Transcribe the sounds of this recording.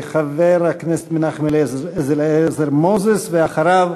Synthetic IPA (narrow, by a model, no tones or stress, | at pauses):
χavɛɾaknɛsɛ̥t̪mɪnaχmelɛzɛzelɛsɛɾmozesveaχaɾav